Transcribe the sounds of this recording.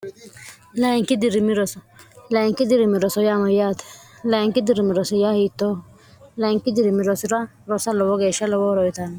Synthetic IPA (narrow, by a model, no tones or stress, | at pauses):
laɪŋkɪd̪ɪɾɪmɪɾɔsɔlaɪŋkɪd̪ɪɾɪmɪɾɔsɔjamajaːt̪ɛ̥ | laɪŋkɪd̪ɪɾɪmɪɾɔsɔjahit̪ːo | laɪŋkɪd̪ɪɾɪmɪɾɔsɪɾa | ɾɔsɐlɔwɔɡeʃɐlɔwɔɾɔɪt̪an